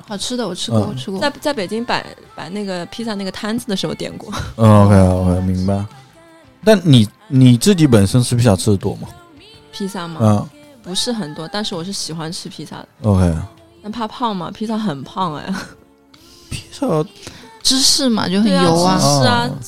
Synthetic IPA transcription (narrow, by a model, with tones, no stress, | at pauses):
xɑ˨˩ʊʈ͡ʂʰɻ̩˥d̪ə˧wɔ˨˩ʈ͡ʂʰɻ̩˥ɔ˧˩wɔ˨˩ʈ͡ʂʰɻ̩˥˧t͡sa˥˩ɪt͡sa˥˩ɪpe˨˩ɪt͡ɕi˥ŋpa̰˨˩ɪ | pa˨˩ɪna˥˩ɡə˩pʰi˥sa˥˧na˥˩ɡə˩t̪ʰa˥nd͡z̩˨d̪ə˩ʂɻ̩˧˥xo˧ʊt̪jɛ̰˨˩nkwɔ˥˧o˧kʰe˥ɪo˧kʰe˥ɪmi˧˥ŋba˧ɪ | t̪a˥˩nni˨˩ | ni˨˩t͡sɹ̩˥˩t͡ɕi˧˥pə˨˩nʂə˥nʈ͡ʂʰɻ̩˥˩pʰi˥sa˥˩ʈ͡ʂʰɻ̩˥˩˨t̪wɔ˥mɐ˩ | pʰi˥sa˥˩mɐ˨˥˩ | pu˧˥ʂɻ̩˥˩xə˨˩nt̪wɔ˥t̪a˥˧nʂɻ̩˥˩wɔ˨˩ʂ̬ɻ̩˥˩ɕi˨˩xwa˥nʈ͡ʂʰɻ̩˥pʰi˥sa̰˥˩d̪ə˨˩o˧kʰe˥ɪ | na˥˧pʰa˥˧pʰɑ˥˩ŋmɐ̰˩pʰi˥s̬a˥˩xə˨˩npʰɑ˥˧ŋa̰˧˩ | pʰi˥sɑ˥˩ʈ͡ʂɻ̩˥ʂɻ̩˥˩mɐ̰˨˩t͡ɕjo˥˩ʊxə˨˩˥njo˩˨˧ʊa˥˧˥